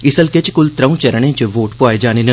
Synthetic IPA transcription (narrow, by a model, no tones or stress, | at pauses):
ɪsɐlket͡ʃkʊlt̪ɾɐũt͡ʃɐɾəɳ̃ẽːt͡ʃɐʋoːʈpuaːed͡ʒaːninɐ